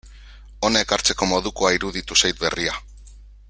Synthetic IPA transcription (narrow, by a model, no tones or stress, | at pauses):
o̞nae̞kaɾt͡se̞ko̞mo̞ðuko̞aiɾuðit̪usajt̪̚be̞ria